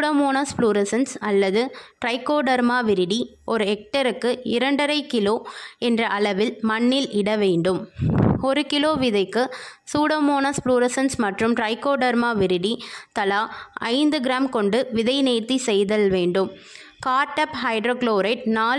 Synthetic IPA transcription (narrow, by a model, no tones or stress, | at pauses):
ɽɐmoːnaːspluːɾɐsɐnsɐlːɐðɯʈɾɐɪkːoːɖɐɾmaːʋɪɾɪɽi | ɔɾɯɛk̚ʈɐɾɯkːɯɪɾɐɳɖɐɾɐɪkɪloːɛndrɐʔɐlɐʋɪlmɐɳːɪlʔɪɽɐʋeːɳɖɯmɔɾɯkɪloːʋɪðɐɪkːɯsuːɽɐmoːnaspluːɾɐsɐnsmɐʈrɯmʈɾɐɪkːoːɖɐɾmaːʋɪɾɪɽit̪ɐlaːɐɪnd̪ɯɡɪɾaːmkɔɳɖɯʋɪðɐɪneːɾt̪isɛjðɐlʋeːɳɖɯm | kaːɾʈːɐphɐɪɖɾoːkloːɾɐɪʈ̚naː